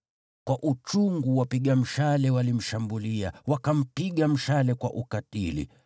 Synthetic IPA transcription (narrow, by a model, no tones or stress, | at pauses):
kwaʔut͡ʃuŋɡuwapiɠam̩ʃalɛwalim̩ʃambuliawakam̩piɠam̩ʃalɛkwa̰ʔukatilḭ